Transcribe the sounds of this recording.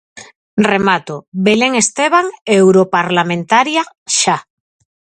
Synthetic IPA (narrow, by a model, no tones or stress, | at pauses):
remat̪oβeleŋest̪eβ̞aŋewɾopaɾlamẽnt̪aɾja | ʃa